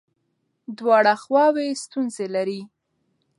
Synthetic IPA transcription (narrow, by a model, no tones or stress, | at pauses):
d̪wɑɽaxwɑwest̪unzelaɾi